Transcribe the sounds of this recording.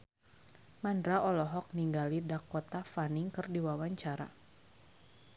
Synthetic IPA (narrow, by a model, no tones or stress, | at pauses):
mandɾaʔɔlɔɦɔk̚niŋɡalidakːɔt̪afaniŋkɨrdiwawaɲt͡ʃaɾa̰